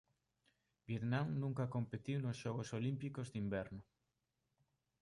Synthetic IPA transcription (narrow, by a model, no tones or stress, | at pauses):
bjet̪nãŋnũŋkakompet̪iwnosʃɔɣosolimpikozðimbɛɾnʊ